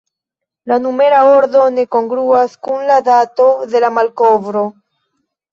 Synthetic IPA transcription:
lanumeɾaoɾðonekoŋɡɾuaskunlaðat̪oðelamalkoβɾo

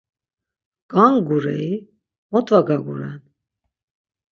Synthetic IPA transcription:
ɡ̥aŋɡuɾɛi | mɔt̪vaɡaɡuɾɛ̰n

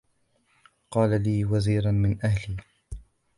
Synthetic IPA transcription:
qɑːlaliːwaziːɾanmɪnʔahliː

